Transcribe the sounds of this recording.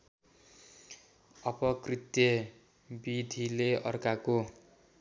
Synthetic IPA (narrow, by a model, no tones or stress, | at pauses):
ʌpʌkrit̪jʌ | bid̪ʱileʌ̰rkako